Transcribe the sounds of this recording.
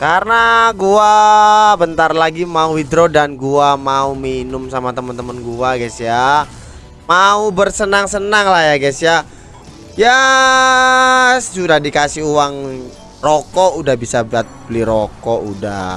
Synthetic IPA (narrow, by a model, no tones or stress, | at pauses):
karənaɡuabənt̪arlaɡimauwidɾodanɡuamauminʊmsamat̪əmənt̪əmənɡuaɡasija | maubərsənaŋsənaŋlahjaɡasija | ja | t͡ʃudahdikasɪɦuwaŋ | rokɔudahbisabat̪̚bəliɾokɔʔuda̰